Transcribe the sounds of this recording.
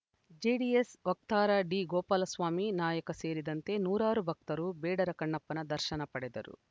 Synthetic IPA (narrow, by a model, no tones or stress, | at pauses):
d͡ʒeːɖiesʋɐk̚t̪aːɾɐɖiːɡɔːpaːlɐsʋaːminaːjɐkɐse̞ːɾid̪ɐnt̪e̞ːnuːɾaːɾubʱɐk̚t̪ɐɾubɛːɖɐɾɐkɐɳːɐpːɐnɐd̪ɐɾʃɐnɐpɐɽɛd̪ɐɾṵ